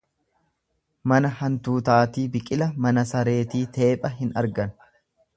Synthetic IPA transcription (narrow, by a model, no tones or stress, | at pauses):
mɐnɐhɐnt̪uːt̪aːt̪iːbɪkʼɪlɐmɐnɐsɐɾe̞ːt̪iːt̪ʰe̞ːpʼɐɦɪnɐ̰ɾɡɐn